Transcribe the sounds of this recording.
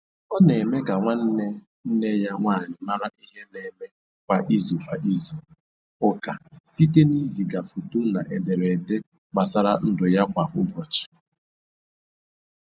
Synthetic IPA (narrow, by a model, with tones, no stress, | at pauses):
ɔ˦ne˨me˦ɡa˨ŋʷa˦n̩˦ne˦ | n̩˦ne˦ja˦ŋʷaː˦˨ɲɪ˨ma˦ɾa˦ʔi˦ɦe˦ne˦me˦ | kʷa˨ʔi˦zu˨kʷa˨ʔi˦zu˨ | ʊ˦ka˨si˦te˦ni˦zi˨ɡa˨fu˨tu˦na˨ʔe˨de˨ɾe˨de˦ | k͡pa˨sa˦ɾa˦n̩˦dʊ˨ja˦kʷa˨ʔʊ˦bɔ˨t͡ʃɪ̥˨